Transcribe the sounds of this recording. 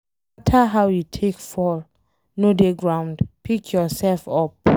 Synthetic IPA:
tʰaɦawjutʰekfɔl | nodeɡɹãw̃ndpikʰjɔsɛlfɔp̚

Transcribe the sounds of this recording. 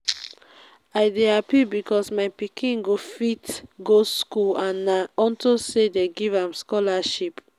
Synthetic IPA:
aɪdeapibikɔsmaɪpikʰĩnɡofitɡoskulãnaɔntosedeɡivãmskɔlaʃip

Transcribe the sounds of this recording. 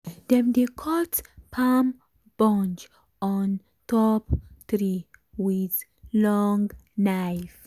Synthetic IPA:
dɛ̃md̪ekʰɔtpʰam | b̥ɔ̃nd͡ʒ | ɔn | tɔpt̪ɾiwið | lɔŋnajf

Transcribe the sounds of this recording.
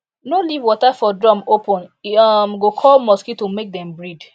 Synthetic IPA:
nolivwɔtafɔdɹɔ̃mopɔ̃nɔmɡokʰɔlmɔskitumek̚dɛ̃mbɹid

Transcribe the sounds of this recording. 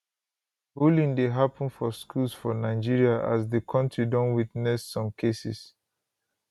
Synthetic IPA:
hulĩndeɦapə̃nfɔskʰulsfɔnaɪd͡ʒiɹiaʔa̰sðəkʰɔ̃ntɹidɔ̃nwitnɛsːɔ̃mkʰesḭs

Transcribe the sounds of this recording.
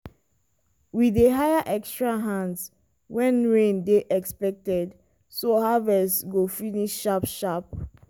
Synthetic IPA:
wideɦajaʔɛkstɹaɦãnds | wɛ̃nɹẽndeʔɛkspɛk̚tɛd | sohavɛsɡofiniʃʃapʃap̚

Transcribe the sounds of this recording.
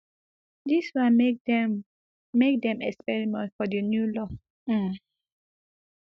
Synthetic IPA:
diswãn | mek̚dɛ̃mɛkspɛɹimɛ̃ntfɔdənjulɔ

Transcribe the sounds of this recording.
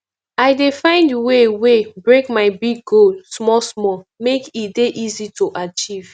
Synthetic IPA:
aɪdefãɪ̃ndiwewebɹekmaɪbiɡolsmɔsmɔmekitdeʔizitʰoʔat͡ʃiv̥

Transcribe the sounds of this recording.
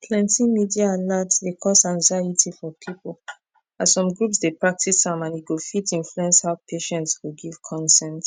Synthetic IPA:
pʰlɛ̃ntĩmidiaːlatsdekʰɔsãŋzaɪitʰifɔpʰipol | asɔ̃mɡɹupsdepɹak̚tʰisãmãniɡofitĩnfluɛ̃nshaʊpʰeʃɛ̃ntsɡoɡiv̥kʰɔ̃nsɛ̃nt

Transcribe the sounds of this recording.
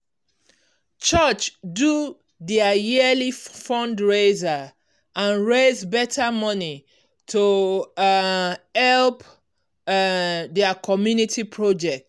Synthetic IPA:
t͡ʃɔt͡ʃdu | dɛajiəlifɔ̃ndɹeza | ãnɹezbɛtʰamɔni | tʰo | hɛlp | dɛəkʰɔmjunitʰipʰɹod͡ʒɛk̚t

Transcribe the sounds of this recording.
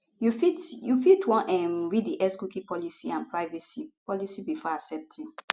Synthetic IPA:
jufitjufitwɔ̃nʔɛmɹidiʔɛskukipɔlisiãnpɹaɪvɛsipɔlisibifɔasɛp̚tʰĩn

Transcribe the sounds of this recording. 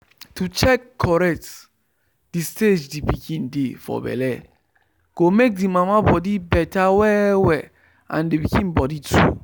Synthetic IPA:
tut͡ʃɛkʰːɔɹɛk̚t | disted͡ʒdipikʰĩndefɔ̰bɛ̰lɛ | ɡ̥omek̚dimamabɔdibɛtawɛwɛ | ã̰ndipikĩnbɔditʰu

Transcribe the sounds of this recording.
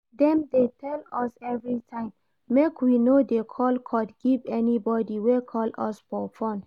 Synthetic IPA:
dɛ̃mdetʰɛlɔsɛvɹitʰãɪ̃mː | ekwinodekʰɔlkʰɔtɡ̥ivɛnibɔdiwekʰɔlɔsfɔfɔ̃n

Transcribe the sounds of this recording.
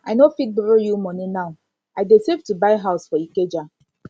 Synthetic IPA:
aɪnofik̚bɾojumɔninaʊ | ajdesevtubaɪɦaʊsfɔiked͡ʒa

